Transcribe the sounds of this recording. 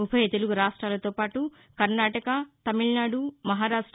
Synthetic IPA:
upʰɐjɐt̪eluɡuɾaːʂʈɾaːlɐt̪o̞ːpaːʈu | kɐɾnaːʈɐkɐt̪ɐmiɭnaːɽumɐɦaːɾaːʂʈɾ

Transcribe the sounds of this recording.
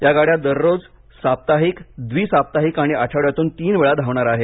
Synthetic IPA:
jaɡaɽjad̪əɾːod͡z | sap̚t̪aɦikd̪ʋiːsap̚t̪aɦikaɽ̃iat͡ɕʰaɽjat̪uːnt̪iːnʋeɭad̪ʱaʋɳaɾaɦe

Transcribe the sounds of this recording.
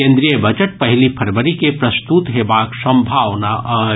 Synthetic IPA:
ẽːnd̪ɾijəbɐd͡ʒəʈ̚pɐɦɪlipʰɐɾʋəɾikepɾɐst̪ut̪ɦebaːksə̃mbʱaːʋnaʔ

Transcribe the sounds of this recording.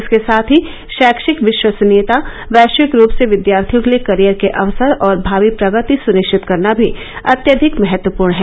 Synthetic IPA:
skesaːt̪ʰɦi | ʃɛːkʃɪkʋɪʃwəsneːt̪a | ʋɛːʃɪkɾuːpseʋɪd̪jaːɾt̪ʰijʊɡlekɐɾijəɾkeʔɐʋsəɾɔːɾbʱaːʋipɾɐɡət̪isʊnɪʃt͡ʃʰɪt̪kɐɾnabʱi | ɐt̪jəd̪ʱɪkmɛɦət̪wəpuːɾɳɦɛː

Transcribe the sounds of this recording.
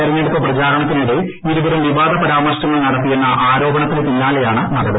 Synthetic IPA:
ɐɾiɲːeɽupːɐprɐd͡ʑaːɾɐɳɐt̪ːiniɽe | iɾuʋɐɾɐmʋiʋaːd̪ʱɐpɐɾaːmɐrɕnɐŋːɐɭnɐɽɐt̪ːijunːɐʔaːɾo̞ːbɐɳɐt̪ːilpiɲːaːlejaːɳɨmɐɡɐðɨ

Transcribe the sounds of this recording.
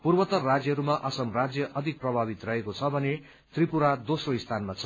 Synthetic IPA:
purbʌt̪ʌrad͡zjʌɾumaʔʌsʌmrad͡zjʌʔʌd̪ʱik̚prʌbʱabit̪rʌɦekot͡sʰʌbʱʌne | t̪ripuɾad̪osroist̪ʰanmat͡sʰʌ

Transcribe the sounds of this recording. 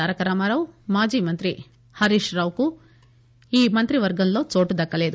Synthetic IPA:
aːɾɐkɐɾaːmaːɾɐwmaːd͡ʒiːmɐnt̪ɾi | hɐɾiːʃɾaːʋku | iːmɐnt̪ɾiʋɐɾɡɐnloːt͡ʃoːʈud̪ɐkːɐleːd̪

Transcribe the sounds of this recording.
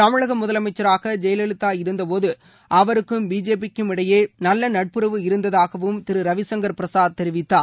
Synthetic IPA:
t̪ɐmɪɻɐɣɐmʊðɐlɐmɐɪt͡ʃːɐɾaːɣɐd͡ʒɛjɐlɛɭɯt̪ːaːɪɾɯnd̪ɐpoːðɯ | ʔɐʋɐɾɯkːɯmbiːd͡ʒeːp̬ɪkːɯmɪɽɐjeːnɐlːɐnɐʈ̚pɯɾɐʋɯɪɾɯnd̪ɐðaːɣɐʋɯmt̪ɪɾɯɾɐʋɪsɐŋɡɐɾpɪɾɐsaːð̚t̪ːɛɾɪʋɪt̪ːaː

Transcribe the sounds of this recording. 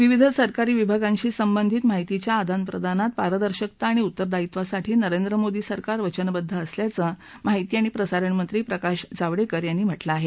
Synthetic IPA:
ʋiʋid̪ʱəsəɾkaɾiːʋibʱaɡãɲt͡ɕiːsəmbənd̪ʱiːt̪maɦit̪it͡ɕjaːd̪ʱanpɾə̰d̪ʱanat̪̚paɾəd̪əɾɕək̚t̪aːɽ̃iut̪ːəɾd̪ait̪ʋasaʈʰiːnəɾend̪ɾəmod̪iːsəɾkaɾʋət͡ɕənbəd̪ʱːəːsljat͡səmaɦit̪iːaɽ̃ipɾəsaɾəɳmənt̪ɾiːpɾəkaɕd͡zaʋɽekəɾjanːiːm̤əʈlaːɦe

